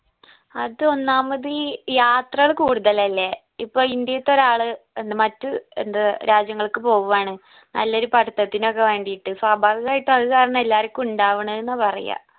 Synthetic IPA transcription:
ɐðɨo̞nːaːmɐðijaːt̪rɐɐɭkuːɽuðɐlɐlːe | ipːo̞ːɭind̪jɐjɐt̪ːo̞ɾaːɭɨenːɨmɐtːɨḛnd̪ɐɾʔaːd͡ʑjɐŋːɐɭkɨpo̞ːʋuʋaːɳɨ | nɐ̰lːɐo̞ɾupɐɽut̪ːɐt̪ːinokːeʋe̞ːɳɖijiʈːɨsaːbʱaːʋiɣaːjiʈːɨɐðɨkaːɾɐɳɨelːaːɾokʲːɨmuɳɖaːʋuɳɐenːɨpɐrḭja̰

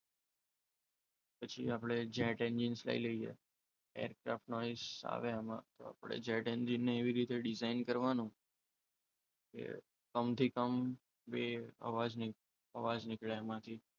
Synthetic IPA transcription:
pət͡ʃʰḭapɽed͡ʒɛʈɛ̃nd͡ʒinsla̰iləiḛ | ḛjəɾkɾa̰fʈnɔisa̰ʋeamã̰t̪oa̰pɽḛd͡ʒɛʈɛnd͡ʒinːeːʋiɾit̪eɖɪzainkəɾʋanũ | kḛ | kəmt̪ʰikəm | beə̰ʋad͡ʒni | əʋad͡ʒnɪkɭeamãt̪ʰi

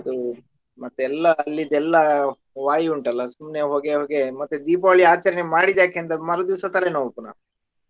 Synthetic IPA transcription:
ɐd̪u | mɐt̪ːuɛlːɐːlːid̪ɛlːɐ | ʋaːjuɳʈɐlːɐsumneɦoːɡeɦoːɡemɐt̪ːud̪iːpɐʋɐɭiaːt͡ʃɐɾɐnemaːɽid̪ːjaːkeːnt̪ɐmɐɾud̪iʋsɐt̪ːɐlenoupuna̰ːu

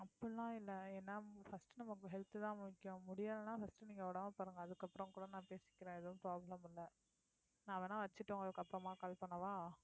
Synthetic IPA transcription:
ɐpːɐlːãːɪlːɛɛnːaːfɐsʈɯnɐmːɐkːɐɦɛɭt̪ɯt̪ãːmʊɪkːʊ̃mʊɽɪjaːðɐnaːfɐsʈɯniːŋɡɐoːɽɐmaːpaːɾɯŋɡɐɐðɯkːɐpːɯɾɔ̃ŋkuːɽɐ̃nãːpeːsɪ̥kːɪɾẽːɛðɐʋʊ̃mpɾaːblɐmɪlːɐ | nãːɐʋɐnãːʋɐt͡ʃːɯʈːõːŋɡɐðɯkːɐpːɾɐmaːkɐːlpɐɳːɐʋãː

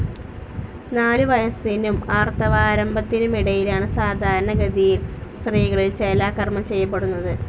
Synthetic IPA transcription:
naːluʋɐjɐsinumaːrt̪ɐʋaːɾɐmbɐt̪ːinumiɽɐjilaːɳɨsaːd̪ʱaːɾɐɳɐɡɐd̪ijilst̪riːɣɐɭilt͡ɕelaːkːɐrmɐt͡ɕe̞jːɐp̬ːe̞ɽunːɐðɨ

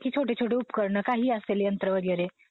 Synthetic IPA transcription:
kit͡ʃʰoʈet͡ʃʰoʈeupkəɾɳəkaɦiaselejənt̪ɾəʋəɾijəɾe

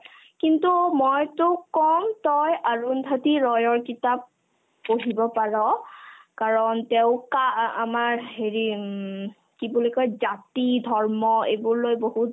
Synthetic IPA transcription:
kintumɔjtʊkɔmtɔjaɹundʱatiɹɔjɔɹkitap̚ː | oɦibɔpaɹɔkaɹɔnteʊ̃kaa̰maɹɦeɹi | kibulɔkɔjzatidʱɔɹmɔebuɹlojboɦut

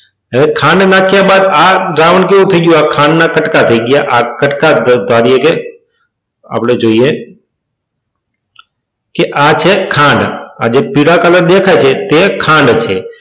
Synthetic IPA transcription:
əʋekʰãːɳɖnaːkʰjãbaːd̪aɾaʋəɳkeũt̪ʰəiɡjũakʰãːɳnakəʈkat̪ʰəiɡjaʔakəʈkad̪ʱaːɾijeke | a̰ːpɽed͡ʒoːie | keʔat͡ʃʰekʰãːɳɖa̰d͡ʒepiɽakaləɾd̪ekʰat͡ʃʰet̪ekʰãɳɖt͡ʃʰe

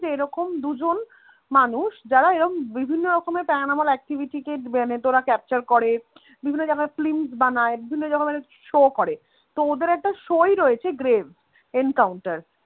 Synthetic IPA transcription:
d͡ʑeeɾɔkomd̪ud͡ʑon | manuʃd͡ʑaɾaeɾɔkombibʱinːoɾɔkomepɛnamalɛk̚ʈibiʈikemenet̪oɾakɛp̚t͡ɕaɾkɔɾe | bibʱinːod͡ʑakʰaeflimsbanaebibʱinːod͡ʑakamɛne | ʃokɔɾe | t̪ood̪eɾɛk̚ʈaʃojɾojet͡ɕʰeɡɾevs | enkawɳʈaɾ

